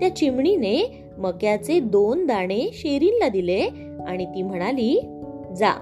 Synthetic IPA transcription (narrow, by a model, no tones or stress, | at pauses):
t̪jat͡ɕimɳine | məkjat͡sed̪ond̪aɽ̃eɕeɾiːnlad̪ile | aɽ̃it̪iːm̤əɽ̃aliːd͡za̰